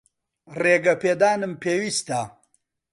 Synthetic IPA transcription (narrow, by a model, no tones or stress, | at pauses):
reːɡɐpeːd̪aːnɨmpʰeːwist̪a